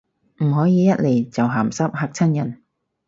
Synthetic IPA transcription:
m̩˨˩ɦɔː˨˥jiː˨˧jɐ˥t̚le˨jt͡sɐ˨wɦaː˨˩msɐ˥p̚ɦaː˧k̚t͡sʰɐ˥njɐ˨˩n

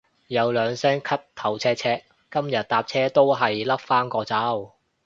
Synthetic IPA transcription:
jɐ˨˧wlœː˨˧ŋsɛː˥ŋkʰɐ˥t̚t̪ʰɐ˨˩wt͡sʰɛː˥t͡sʰɛː˥ | kɐ˥mjɐ˨t̚t̪aː˨˧p̚t͡sʰɛː˥t̪o˥wɦɐ˨jlɐ˥p̚faː˥ŋkɔː˧t͡sɐ˨˥w

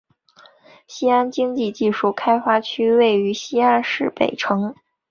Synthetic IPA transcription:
ɕi˥a˥nt͡ɕi˥ŋt͡ɕi˥˧t͡ɕi˥˧ʂu˥˩kʰa˥ɪfa˥t͡ɕʰy˥we˥˩ɪy˧˥ɕi˥a˥nʂɻ̩˥˩pe˨˩ɪʈ͡ʂʰɤ˧˥ŋ

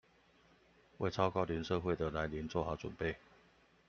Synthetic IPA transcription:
we˥˨ɪt͡sʰɑ˥ʊkɑ˥˧ʊli˧˥nʂɤ˥˧xwe˥˨ɪd̪ə˨˩la˧˥ɪli˧˦nt͡swɔ˥˨xa˨˥˦t͡swə̰˨˩npe˥˨ɪ

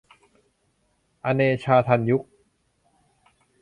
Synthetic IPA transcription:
ʔa˧neː˧t͡ɕʰaː˧t̪ʰa˧nju˦˥k̚

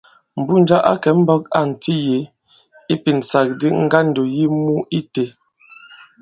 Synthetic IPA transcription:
m̩˨bu˦˨n˨d͡ʒa˦ʔa̰˦kɛ˨˦m̩˦bɔ˦k̚a̰˦˨n̩˨tʰi˦je˨˦ | i˦pi˨n̩˨sa˨k̚di˦ŋ̩˦ɡa˦n̩˨do˨ji˦mu˦i˦te˨

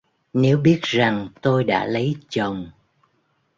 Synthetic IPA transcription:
ne˨˦wɓi˦˥ət̚za˨˩ŋt̪o˧jɗa̰ː˧˥lə˨˦jt͡ɕə˨˩wŋ͡m

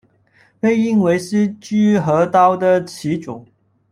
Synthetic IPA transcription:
pe˥˧ɪi˥˩nwe˧˥ɪʂɻ̩˥˧t͡ɕy˥˩xɤ˧˥t̪ɑ˥ʊd̪ə˨t͡ɕʰi˧˥ʈ͡ʂʊ˨˩˦ŋ

